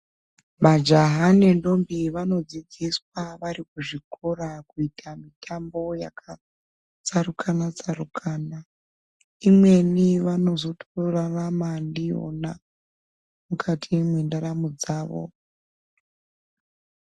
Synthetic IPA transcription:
mad͡ʒaɦane̞ndo̞mbiʋano̞d͡zid͡ziswaʋaɾikuʐikʰo̞ɾakuitʰamitʰambo̞jakʰa | t͡saɾukʰanat͡saɾukʰaːna | imwe̞niʋano̞zo̞tʰoraʋamandio̰na | mukʰatʰimwindaɾamud͡zaːʋo̰

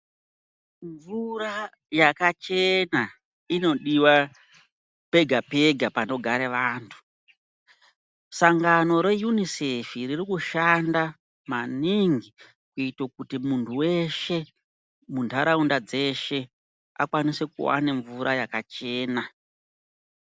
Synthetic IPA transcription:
ɱvura | jakat͡ʃe̞na | ino̞ɗiwa | pe̞ɡʱape̞ɡʱapano̞ɡʱaɾeʋaːntʰu̥ | saŋɡano̞ɾe̞junisefiririkuʃanda | maniŋɡi | kuitokutimuntʰuwe̞ʃe̞ | mundʱaɾaundad͡ze̞ʃe̞ | a̰kwanise̞kṵwa̰neɱvuɾʔajakat͡ʃe̞ːna

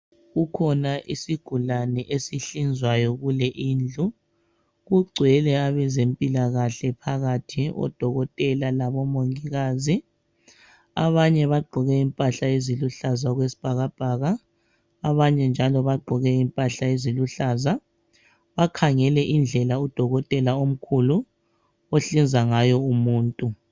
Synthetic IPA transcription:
ɣukʰɔnaʔisiɡ̥ʱulanɛʔesiɬind͡zʱwajɔɣulɛʔind͡ɮʱu | ɣuɡ͡ǀʱwɛlɛaβɛzempʼilaɣaɬɛpʰaɣatʰiɔ̰d̥ʱɔɣɔtʼɛlalaβɔmoŋiɣaːzi | a̰βaɲɛβaɡ͡ǃʱɔɣɛimpʼaɬaeziluɬazaɣwesi̥b̥ʱaɣab̥ʱaːɣaː | βaɲɛnd͡ʒʱalɔβaɡ͡ǃʱɔɣɛimpʼaɬaeziluɬaːza | βakʰaŋɛlɛʔind͡ɮʱɛlaud̥ʱɔɣɔtʼɛlaom̩kʰulu | oɬind͡zʱaŋajɔumuːntʼu

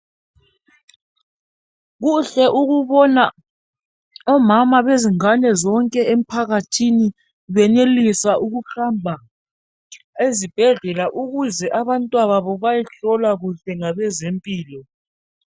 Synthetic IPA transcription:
ɣuɬɛʔuɣuβɔna | ɔmamaβeziŋanɛzɔŋkʼɛem̩pʰaɣatʰini | βɛnelisaʔuɣuɬambʱa | ezib̥ʱɛɮɛlaʔuɣuzɛʔaβantʼwaβaβɔβajɛɬɔlaɣuɬɛŋaβɛzempʼiːlɔ

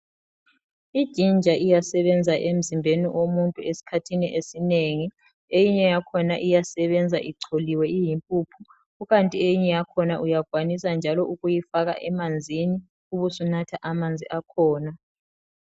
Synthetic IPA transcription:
id̥ʒ̥ʱind͡ʒʱaʔijasɛβɛnd͡zʱaʔem̩zimbʱeniʔomuntʼuesi̥kʰatʰiniʔesineŋi | ejiɲɛjakʰɔnaʔijasɛβɛnd͡zʱaʔiǀʰoliwɛʔijimpʼupʰu | uɣantʼiejiɲɛjakʰɔnaʔujaɡ̥ʱwanisand͡ʒʱalɔʔuɣujifaɣa̰ʔɛmand͡zʱini | uβusunatʰaʔamand͡zʱiʔakʰɔːna

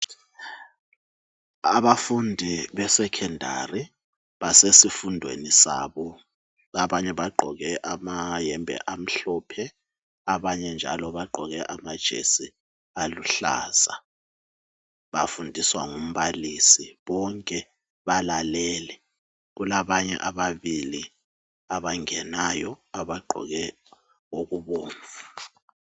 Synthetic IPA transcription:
aβafundʱiβɛsɛkʰɛndʱa̰ri | βasesifundʱwḛnisa̰ːβɔ | aβaɲɛβaɡ͡ǃʱɔɣɛʔamajɛmbʱɛ̰ʔam̩ɬɔːpʰɛ | aβaɲɛnd͡ʒʱa̰lɔβaɡ͡ǃʱɔɣɛʔamad̥ʒ̥ʱḛsi | aluɬa̰ːz̥a | βafundʱiswaŋum̩βalisiβɔŋkʼɛ | βalalɛːlɛ | ɣulaβaɲɛ̰ʔaβaβili | aβaŋɛnajɔaβaɡ͡ǃʱɔ̰ɣɛ | oɣuβoːɱvu

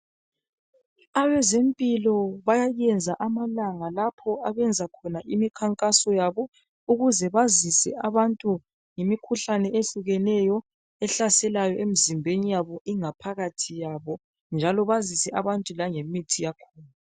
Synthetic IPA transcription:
aβɛzempʼilɔβajajɛnd͡zʱaʔamalaŋalapʰɔaβɛnd͡zʱakʰɔnaʔimikʰaŋkʼasɔjaβɔ | uɣuzɛβazisɛ̰aβantʼu | ŋemikʰuɬanɛʔeɬuɣɛnɛjɔ | ɛɬasɛlajɔʔemizimbʱenijaβɔʔiŋapʰaɣatʰijaβɔ | nd͡ʒʱalɔβazisɛʔaβantʼulaŋemitʰijakʰuːlu

